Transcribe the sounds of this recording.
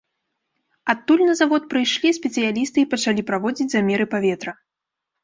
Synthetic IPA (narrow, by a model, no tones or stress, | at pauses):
at̪ːulʲnɐzavɔt̪̚pɾɨjʂlʲisʲpʲɛt̪sɨjalʲist̪ɨːpɐt͡ʂalʲipɾavɔd͡zʲit͡sʲzamʲɛɾɨpavʲɛt̪ɾɐ